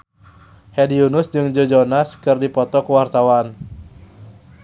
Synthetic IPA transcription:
hɛdiunʊsd͡ʒɨŋd͡ʒod͡ʒɔnaskɨrdipɔt̪ɔkuwart̪awan

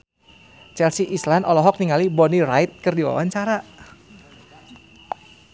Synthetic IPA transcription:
t͡ʃɛlsiʔislanɔlɔɦɔk̚niŋalibɔnirajt̪̚kɨrdiwa̰waɲt͡ʃaɾa

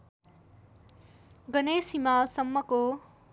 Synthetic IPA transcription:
ɡʌnesimalsʌmːʌko

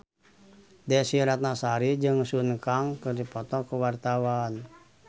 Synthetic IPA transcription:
dɛsiɾat̪̚nasaɾid͡ʒɨŋsunkaŋkərdipɔt̪ɔkuwart̪awan

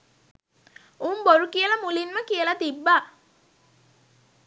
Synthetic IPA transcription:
uːmboɾukiəlamulinməkiəlat̪ibːaː

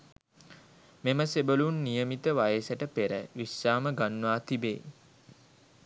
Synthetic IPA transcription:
meməsebəlunːijəmit̪əʋajəsəʈəpeɾə̰ʋisːaːməɡanːʋaːt̪ibḛː

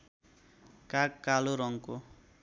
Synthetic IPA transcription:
kakkːaloɾʌŋko

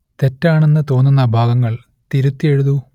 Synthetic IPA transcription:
t̪e̞tːaːɳe̞nːɨt̪o̞ːnːunːɐbʱaːɡɐŋːɐɭ | t̪iɾut̪ːie̞ɻuðu

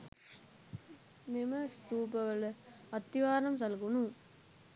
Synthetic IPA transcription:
nɪmɐst̪uːpɐʋɐl | ɐt̪ːiʋaːɾɐmsɐlɣunũ

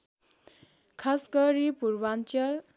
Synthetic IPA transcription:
kʰasɡʌɾipuɾbant͡ʃal

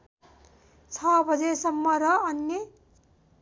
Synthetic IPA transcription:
t͡sʰʌbʱʌd͡zesʌmːʌɾʌʌnjʌ

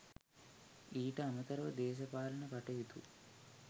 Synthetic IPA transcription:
iːʈɐɐnɐt̪ɐɾʋɐd̪ɛːʃɐpaːlɐnɐpɐʈejit̪ṵ

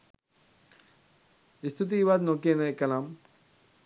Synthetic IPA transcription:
ist̪ʰut̪̬iːʋaːd̪noːk̬ienɐekːɐlaːm

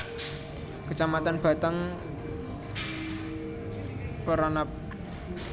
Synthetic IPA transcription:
kət͡ʃamat̪anb̥a̤t̪əŋ | pəɾɔnap̚

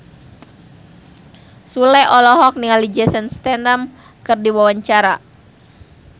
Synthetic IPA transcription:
sulɛʔɔlɔɦɔk̚niŋalid͡ʒɛsənst̪ɛndam | kɨrdiwawaɲt͡ʃaɾa

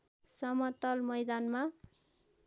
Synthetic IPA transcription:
sʌmʌt̪ʌlmʌjd̪anma

